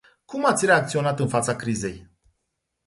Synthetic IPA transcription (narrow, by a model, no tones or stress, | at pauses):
kumat̪sʲre̞ak̚t̪sio̞nat̪ɨnfat̪sakɾize̞j